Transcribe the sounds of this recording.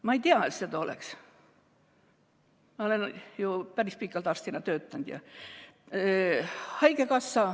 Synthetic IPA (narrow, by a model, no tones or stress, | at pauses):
mɑejt̪iɑet̪set̪ɑo̰lḛks | mɑolenjupærispikːˑɑlt̪ɑrst̪inɑt̪øːt̪ːænd̪̥jɑ̰ | hɑjkekɑsːɑ